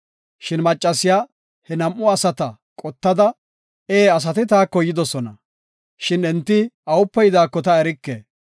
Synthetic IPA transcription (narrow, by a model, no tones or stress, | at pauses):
ʃɪnmɐt͡ʃʼːɐsɪjaː | hɛnɐmʔʊɐsɐt̪ɐ | kʼɔt̪ːɐd̪ɐ | eːɐs̬ɐt̪ɪt̪aːkːɔjɪd̪ɔsɔnɐ | ʃɪnɛnt̪ːɪɐʊpːɛjɪd̪aːkːɔt̪ɐɛɾɪkːeː